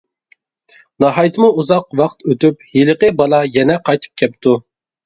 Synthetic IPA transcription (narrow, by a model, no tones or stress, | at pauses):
nɑɦɑjt̪ʰɨmuuzɑqwɑqt̪øt̪yphiləqəbɑlˠɑjɛnɛqʰɑjt̪ʰɨ̥p̚kʲʰɛpt̪ʰu